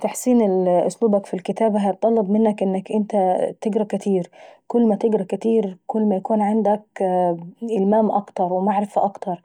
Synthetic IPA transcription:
t̪aħsiːnɪlʔʊ̰sluːbakfilkɪt̪aːbaɦajt̪ˤːɑlːɑbmɪnːakʔɪnːakʔɪnt̪at̪ɪɡɾˤɑkɪt̪ʰiːɾkʊlːmat̪ɪɡɾˤɑkɪt̪iːɾkʊlːmajakuːnʕand̪ak | ʔɪlmaːmʔɑkt̪ɑɾˤwmaʕɾɪfaʔɑkt̪ɑɾˤ

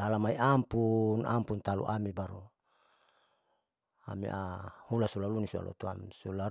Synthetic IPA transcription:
alamaiʔampunampunt̪alṵʔamibaɾu | a̰mḭʔahulasulalunisua̰lɔ̰t̪uamsula

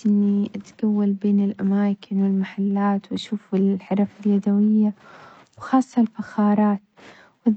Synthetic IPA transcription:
ʔɪnːiʔat̪ɡ̥awːalbeːnɪlʔamaːkɪnwɪlmaħalːaːt̪wʔaʃuːfɪlħɑɾˤɑfɪljad̪awɪjːa | wxɑːsˤːɑlfaxɑːɾˤɑːt̪ | wɪð

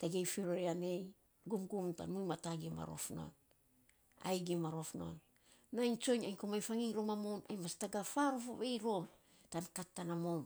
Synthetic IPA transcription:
taɡejfiɾoɾeane̞j | ɡumɡumta̰nmujmataɡima̰ɾo̞̰fno̞̰n | a̰jɡimaɾo̞fno̞̰nː | ajnt͡ʃo̞jɲajɲkomajfaŋiŋɾomamo̞na̰jmastaɡafaɾofoβe̞jɾo̞m | tankatːanamon

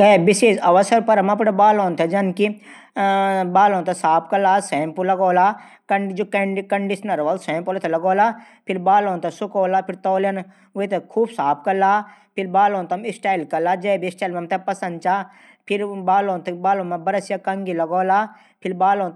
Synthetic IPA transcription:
kɐebɪseːʃɐʋəsəɾpɐɾɐmɐp̬ɽebaːloːnt̪ʰed͡ʒɐnki | baːloːnt̪ʰesaːpʰkɐlaːsɛ̃ːmpulɐɡoːlaː | kɐd͡ʒoːkɐkɐɳɖiʃnɐɾʋɐlsɛ̃ːmpoːlt̪ʰɐlɐɡoːlaː | pʰɪɾbaːlõːnt̪ʰɐsʊkoːlaːpʰɪɾt̪ɔːljɐn | uet̪ekʰuːbsaːp̚ʰkɐlaːpʰɪɾbaːloːnt̪ɐmɪsʈaːilkɐlaːd͡ʒɛbisʈaːjlmɐmt̪ʰepɐsɐ̃nd̪̚t͡ʃaː | pʰɪɾbaːloːnt̪ʰebaːlõːmebɐɾɐsjakɐŋɡilɐɡoːlaː | pʰɪɾbaːloːnt̪

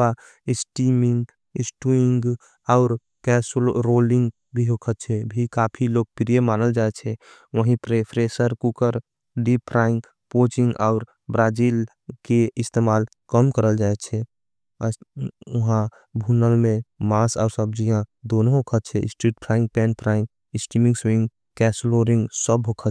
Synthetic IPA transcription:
a | ɪsʈimɪ̃ŋɡ | ɪsʈuɪŋɡ | ɔʊɾ | kɛːslɾolɪ̃ŋɡ | bʱiɦokʰət̪̚t͡ʃʰɛbʱikaːpʰiloːɡ̚pɾijemaːnəld͡ʒaːet͡ʃʰɛ | ʋəɦĩpɾepʰɾesəɾkukəɾ | ɖipʰɾaːɪ̃ŋɡ | poːt͡ʃɪ̃ŋɡɔʊɾ | bɾaːd͡ʒiːl | keɪst̪emaːl | kəmkəɾəld͡ʒaːet͡ʃʰɛ | ʊɦã | bʱunəlmẽmaːsɔːɾsəb̚d͡ʒijãd̪oːnoɦokʰət̪̚t͡ʃʰɛɪ̰sʈɾiːʈ̚pʰɾaːɪ̃ŋɡ̚pɛ̃ːnpʰɾaɪ̃ŋɡ | ɪsʈimɪ̃ŋɡswɪ̃ŋɡ | kɛːsloɾɪ̃ŋɡsəbɦokʰət̪

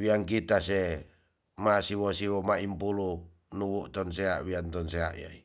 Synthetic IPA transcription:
wiaŋkit̪ase | masiwɔsiwɔmaimpulu | nuwuʔt̪ɔnsea̰ʔwiant̪ɔnsea̰ʔja̰i

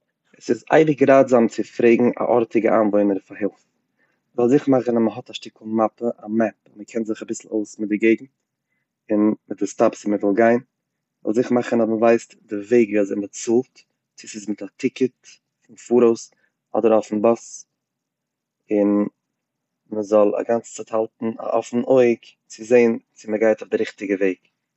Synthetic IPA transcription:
ɛsɪza̰ɪdɪɡɾaːdzamt͡sɪfɾeɪɡŋ̩a̰ʔɔɾtɪɡə̰ʔaːnvɔɪnəɾfaɦɪlˠf | əzɔlˠzɪχmaχən̩aməɦɔtaʃtɪkʰl̩ˠmapəʔamɛpnməkʰɛnzɪχabɪsl̩ˠo̰ʊsmɪt̚dɪɡeɪɡŋ̩ | ɪnmɪt̚dɪstapsɪməvɪlˠɡaɪn | zɔ̰lˠzɪχmaχən̩aməvaɪstdɪveɪɡvizɪmət͡sulˠt | t͡sɪsɪsmɪtatʰɪkət | fɪnfuːɾoʊs | ɔ̰dəɾɔfn̩bɔs | ɪn | məzɔlˠa̰ɡant͡st͡sathalˠtn̩a̰ʔɔfn̩ʔoɪk | t͡sɪzeɪnt͡sɪməɡaɪtʊfdɪɾɪχtɪɡəveɪɡ

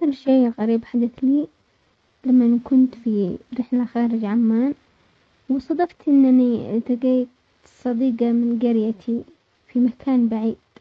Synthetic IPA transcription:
aalʃeːɣaɾiːbħad̪aθliː | lamːankʊnt̪fiɾɪħlaxaːɾɪd͡ʒʕamːaːn | wɪsˤɑd̪ˤɑft̪ʔɪnːanit̪aɡeː | sˤɑd̪iːɡɑmɪnɡaɾjat̪ʰi | fimakʰaːnbaʕiːd̪̥̚

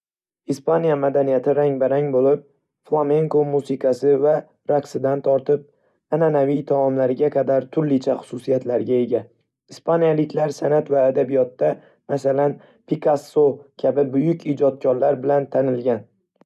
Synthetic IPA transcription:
ispʰanijamad̪anijat̪ʰɪɾaŋbaɾaŋbolɪp̚ | flˠame̞ŋkomusɪkʰɑsɪva | ɾaksɪd̪ant̪ʰɒɾt̪ʰɪp̚ | ananavijt̪ʰɒɒmlaɾɪɡʲaqʰɑd̪aɾt̪ʰʊɾlɪt͡ʃʰaχʊ̥sʊsijat̪laɾɡʲae̞ɡʲa | ɪspʰanijalɪkʲʰlaɾsanat̪vaːd̪abijɒt̪ːa | masalan | pʰikʰasːokʲʰabɪbʊjʊkʲid͡ʒɒt̪̚kʰʲɒɾlaɾbɪlant̪ʰanɪlɡʲan

